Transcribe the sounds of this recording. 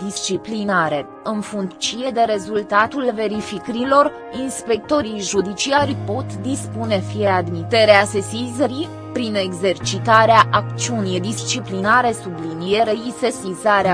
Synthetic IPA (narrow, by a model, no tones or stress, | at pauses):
d̪ist͡ʃiplinaɾe̞ | ɨnfuŋkt͡ʃije̞d̪e̞ɾe̞zult̪at̪ulve̞ɾifikɾilo̞r | inspe̞k̚t̪o̞ɾijʒud̪it͡ʃiaɾʲpo̞t̪d̪ispune̞fijead̪mit̪e̞ɾease̞sizeɾi | pɾine̞ɡze̞rt͡ʃit̪aɾeaʔak̚t̪siunijd̪ist͡ʃiplinaɾe̞sublinije̞ɾeise̞sizaɾea